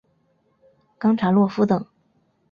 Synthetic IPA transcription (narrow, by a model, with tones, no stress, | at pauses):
kɑ˥ŋʈ͡ʂʰɑ˧˥lwɔ˥˩fu˥t̪ɤ˨˩˦ŋ